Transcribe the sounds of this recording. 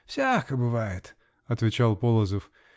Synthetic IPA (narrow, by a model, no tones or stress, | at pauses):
fsʲakəbɨvajɪt̪ | ɐt̪vʲɪt͡ɕalˠpolˠəzəf